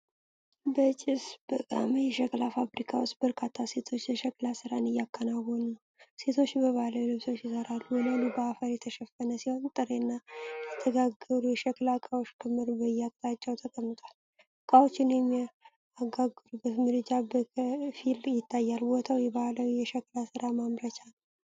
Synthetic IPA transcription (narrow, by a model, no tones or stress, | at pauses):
bət͡ʃʼɪsb̥əkʼa̰məjɛʃɛkʼlafabɾikʰawost̪bəɾkʰat̪ʰːase̞t̪ʰo̞t͡ʃːjəʃɛkʼlasɨɾanɨjːakːənawɔnəw | se̞t̪ʰo̞t͡ʃːbəβaləwlɨβso̞t͡ʃːjɪsəɾalːuɨnanubəafəɾjɛt̪ʰəʃɛfːənəsiho̞nt̪ʼɨɾenːajɛt̪ʰəɡaɡəɾujɛʃɛkʼlakʼawoʃkʰɨmːɨɾbəjakʼt̪ʼat͡ʃːɛwt̪ʰəkʼəmːɨt̪ʼal | kʼawot͡ʃːɪnjɛmː | aɡaɡːɨɾubət̪mɨɾɨd͡ʒabəfiljɪt̪ʰːajːalbo̞t̪ʰawjɛβaləwjɛʃɛkʼlasɨɾamamɾət͡ʃanw